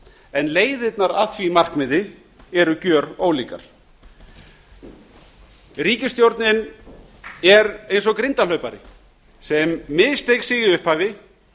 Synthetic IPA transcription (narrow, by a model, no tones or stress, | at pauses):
ɛnleːjðɪt̪naɾaðθvimar̥kmɪðɪ | ɛɾʏcœːɾoːwliːka̰ɾ̥ | riːcɪst̪jowɾt̪nɪn | ɛɾejns̬ɔɣkɾɪnt̪alœɥpaɾɪ̰ | sɛmːɪðst̪ejksɪːɣɪʏhphaːvɪ